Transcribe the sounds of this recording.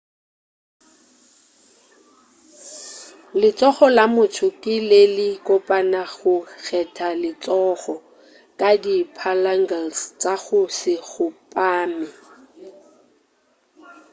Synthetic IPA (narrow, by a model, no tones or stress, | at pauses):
lɪt͡sʼɔχɔlamʊtʰʊkʼɪlelɪkʼɔpʼanaɣʊɣʰɛtʰalɪt͡sʼɔɣɔ | kʼadipʰalaŋɡalst͡sʼaɣʊsɪɣʊpʼaːmɪ